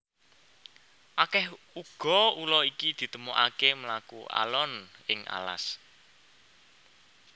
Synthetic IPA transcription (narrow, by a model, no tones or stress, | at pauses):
ʔakɛh | uɡ̥ɔ̤ulɔikid̪̥i̤t̪əmoʔakeməlakuʔa̰lɔnɪŋa̰la̰s